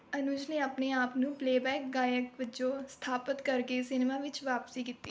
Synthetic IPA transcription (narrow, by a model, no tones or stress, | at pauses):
ənʊd͡ʒnẽːaːpneːaːpnũːpleːbɛːkɡaːjəkʋɪt͡ʃõːst̪ʰaːpət̪kəɾkeːsɪnemãːʋɪt͡ʃʋaːpsiːkɪt̪ːiː